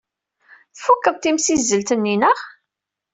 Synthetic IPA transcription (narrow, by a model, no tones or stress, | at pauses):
θfukːəðˤt̪imsizːəlt̪ənːinəʁ